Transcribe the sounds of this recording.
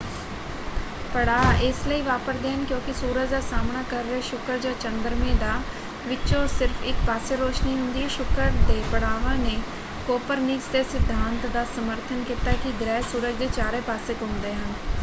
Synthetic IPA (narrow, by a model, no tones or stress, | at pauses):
pəɽaːɪsləiːʋaːpəɾd̪eːɦənkjõːkɪsuːɾət͡ʃd̪aːsaːmnaːkəɾːeʃʊkəɾd͡ʒãːt͡ʃənd̪əɾmẽːd̪aː | ʋɪt͡ʃõːsɪɾfʰɪkpaːseːɾoːʃniːɦʊ̃nd̪iːɛʃʊkəɾd̪eːpəɽaːʋãːneː | koːpəɾniksd̪eːsɪd̪ʱːaːnt̪d̪aːsəməɾt̪ʰənkiːt̪aːɛkɪɡɾɛːsuːɾəkd̪eːt͡ʃaːɾeːpaːseːkʊmd̪eːɦən